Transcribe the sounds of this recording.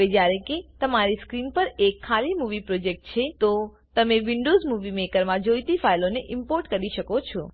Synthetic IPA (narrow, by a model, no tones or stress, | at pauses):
ed͡ʒjaɾẽket̪əmaɾiskɾinpəɾekʰːalimuʋipɾod͡ʒek̚ʈ̚t͡ʃʰet̪o | t̪əmeʋɪɳɖozmuʋimekəɾmãd͡ʒojt̪ifailoneʔɪmpoɾʈkəɾiʃəkot͡ʃʰɔ